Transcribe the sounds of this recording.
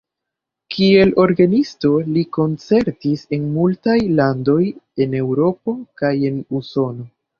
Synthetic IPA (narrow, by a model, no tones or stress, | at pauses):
kʰie̞lo̞ɾɡanisto̞liko̞nt͡se̞ɾtise̞nmultajlando̞je̞ne̞wɾo̞po̞kaje̞nuso̞no̞